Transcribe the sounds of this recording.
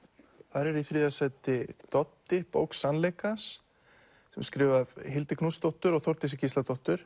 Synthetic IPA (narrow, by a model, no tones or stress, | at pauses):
θaɾɛɾiθɾiːðasɛjt̪ɪt̪ɔt̪ːɪpo̰ːwksːanlejkasː | ɛmskɾɪːvavɦɪlt̪ɪkʰnust̪ɔht̪ʏɾɔɣθɔwɾ̥t̪ɪsɪcisat̪ɔht̪ʏɾ̥